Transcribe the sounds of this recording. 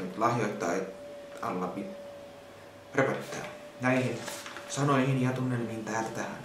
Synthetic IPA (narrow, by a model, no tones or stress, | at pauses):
myt̪lɑhjot̪ːɑ̰ːet̪ | ɑ̰lːɑbi | repæt̪ːæ̰ː | næihinsɑnoihinjɑt̪unːelmihint̪æːlt̪æhæ̰n